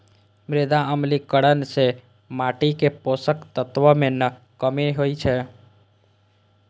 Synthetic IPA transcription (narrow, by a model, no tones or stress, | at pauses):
mɾed̪aəmlikəɽənse | maʈikeposəkt̪ət̪ʋəmenə | kəmeɦojt͡ʃʰɛ